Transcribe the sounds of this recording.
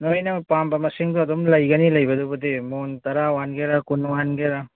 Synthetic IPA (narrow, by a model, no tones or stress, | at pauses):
nojnɐpambɐmɐsiŋduɐdɔmlɐjɡɐnilɐjbɐdubadimontɐɾawanɡeɾakunwanɡeɾa